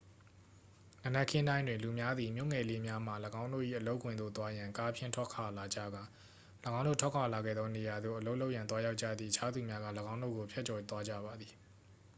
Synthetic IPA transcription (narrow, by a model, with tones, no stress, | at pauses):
nə˨nɛ˦˨kʰɪ̃˦ndã˦ɪ̃ndwɪ̃˨nlu˨mja˦d̪ði˨mjo̰˦˨ŋɛ˨le˦mja˦m̥a˨ləɡã˦ʊ̃ndo̰˦˨ʔḭ˦˨ʔəlo˦ʊkʰːwɪ̃˨nd̪o̰˦˨t̪wa˦jã˨ŋka˦pʰjɪ̃˦˨ntʰwɔ˦ʔkʰa˨la˨d͡ʑä̰˦˨ɡa˨ | lə˨ɡã˦ʊ̃nd̪o̰˦˨tʰwɔ˦˨kʰa˨la˨ɡɛ̰˦˨d̪ɔ˦ne˨ja˨d̪o̰˦˨ʔəlo˦ʊʔlo˦ʔjã˨nt̪̬wa˦ja˦ʊʔt͡ɕä̰˦˨d̪ðḭ˦˨ʔət͡ɕʰa˦d̪u˨mja˦ɡä̰˦˨ləɡã˦ʊ̃ndo̰˦˨ɡo˨pʰjɛ˦ʔ̚t͡ɕɔ˨t̪wa˦d͡ʑa̰˦˨βa˨d̪ði˨